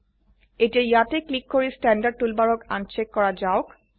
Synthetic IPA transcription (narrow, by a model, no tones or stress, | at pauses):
etiɛjateklikːoɹistɛndaɖ̚tulbaɹɔka̰nt͡ʃekːɔɹad͡ʒaʊk